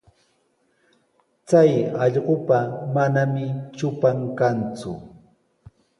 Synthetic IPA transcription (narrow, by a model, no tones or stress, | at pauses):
t͡sajɑʎɢopamanamɪt͡ʃʊpaŋkant͡sʊ̰